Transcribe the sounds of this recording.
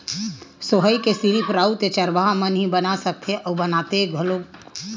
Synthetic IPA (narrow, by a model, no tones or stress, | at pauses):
soɦəikesiɾipɾaut̪et͡ʃəɾbaɦamənɦĩbənasək̚t̪ʰeʔɔːbənat̪eɡʱolo